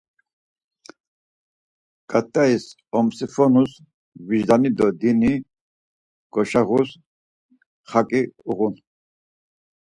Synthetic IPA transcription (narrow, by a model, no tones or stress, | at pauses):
ɡ̥ʼat̪ʼːais | ɔmsifɔnus | viʒd̪anid̪ɔd̪ini | ɡ̥ɔʃaʁus | χakʼiuʁun